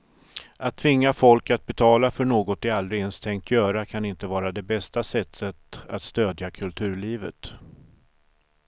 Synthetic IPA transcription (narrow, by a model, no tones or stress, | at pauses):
at̪ʰːvɪŋːafɔlkat̪̚bɛt̪ʰɑːlafœɳoːɡɔt̪ɪalːɾenst̪ʰɛŋk̚t̪ʰjœːɾakʰanɪnt̪əvɑːɾad̪ɛbɛst̪asɛt̪ʰːət̪at̪st̪øːd̪jakʰɵlt̪ʰʉ̟ːɭiːvə̰t̪